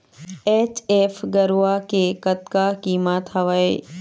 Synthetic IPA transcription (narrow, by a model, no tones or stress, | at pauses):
eːt͡ɕeːfɡɐɾuakekɐt̪kakiːmat̪ɐʋəḛ